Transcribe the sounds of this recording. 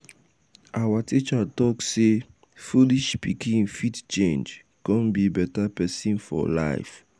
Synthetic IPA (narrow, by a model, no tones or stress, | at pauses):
ʔawatʰit͡ʃatɔkse | fuliʃpikʰĩfitt͡ʃẽnd͡ʒ | kɔ̃nbibɛtapɛsĩnfɔ̰la̰ɪf